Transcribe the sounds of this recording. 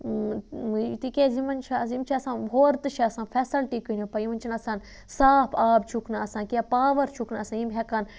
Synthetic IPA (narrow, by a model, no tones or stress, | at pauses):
t̪ikʲezimɐnt͡ʃʰazimt͡ʃʰesãːnbʱoːɾt̪ɨʃeɐsãːnfʰɛsɐlʈikɨnipɐiʋɐnt͡ʃʰinɐsaːn | saːpʰaːbt͡ʃʰuknaɐsãːkepaːʋɐɾt͡ʃʰuknaɐsãːjimbɦʲɛkɐn